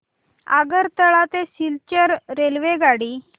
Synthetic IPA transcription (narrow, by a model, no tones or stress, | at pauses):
a̰ɡəɾt̪əɭat̪esilt͡ɕəɾːelʋeɡaɽiː